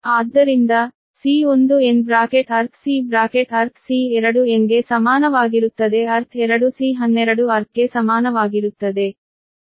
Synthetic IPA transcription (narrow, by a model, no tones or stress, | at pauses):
aːd̪ːɐɾind̪ɐ | siːond̪uenbɾaːkeʈɐɾt̪ʰsiːbɾaːkeʈɐɾt̪ʰsiːɛɾɐɽueŋɡe̞sɐmaːnɐʋaːɡiɾut̪ːɐd̪e̞ɐɾt̪ʰɛɾɐɽusiːɦɐnːɛɾɐɽuɐɾt̪ʰɡe̞sɐmaːnɐʋaːɡiɾut̪ːɐd̪e̞